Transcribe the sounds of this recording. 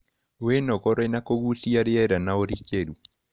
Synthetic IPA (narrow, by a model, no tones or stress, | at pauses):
wenɔkɔɾɔenakoɣusiaɾɪɛɾanaoɾikeɾu